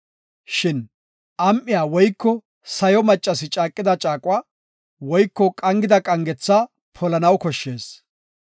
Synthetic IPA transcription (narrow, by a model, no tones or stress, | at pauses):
ʃɪn | ʔɐmʔːɪjaːwɔjkːɔ | sɐjɔmɐt͡ʃʼːɐsɪt͡ʃʼaːkʼːɪd̪ɐt͡ʃʼaːkʼwaː | wɔjkːɔkʼɐŋɡɪd̪ɐkʼɐŋɡɛt͡sːaː | pʰɔlɐnɐwkɔʃːe̞ːs